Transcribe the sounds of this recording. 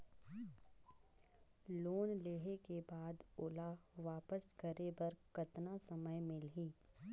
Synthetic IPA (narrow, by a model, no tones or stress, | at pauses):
loːnleːɦekebaːd̪ʊlaʋaːpəskəɾebɐɾkɐt̪nasɐməjmɪlɦiː